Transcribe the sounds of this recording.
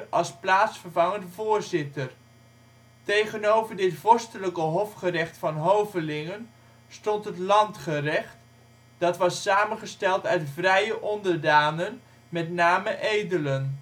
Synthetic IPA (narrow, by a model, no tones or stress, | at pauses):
ɑlˠsplaːtsfəɹvɑŋəndəvʊːɹzɪtəɹ | tejχənowvəɹdɪtvɔɹstələkəɦɔfχərɛχtfɑnɦowvəlɪŋən | stɔntɦətlɑntχərɛχt | d̥ɑtʋɑsaːmənχəstɛlˠtœɥtvrɛjəʔɔndəɹdaːnən | mɛtnaːməʔejdələn